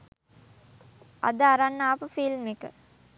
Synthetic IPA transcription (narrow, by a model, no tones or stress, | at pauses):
a̰d̪əaɾanːaːpəfilmekə̰